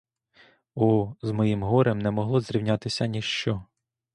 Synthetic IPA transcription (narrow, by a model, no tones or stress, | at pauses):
ɔzmɔjimɦɔɾemnɛmɔɦlˠɔzɾʲiwnʲat̪ɪsʲɐnʲiʃt͡ʃɔ